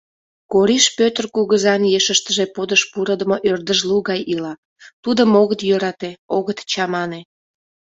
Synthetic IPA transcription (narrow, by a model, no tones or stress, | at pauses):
koɾiʃpøt̪ərkuɣəzɑnjeʃəʃt̪əʒepod̪əʃpuɾəd̪əmoʔørd̪əʒluɣɑjʔilɑ | t̪ud̪əmoɣət̪jøɾɑt̪eoɣət̪t͡ɕɑmɑne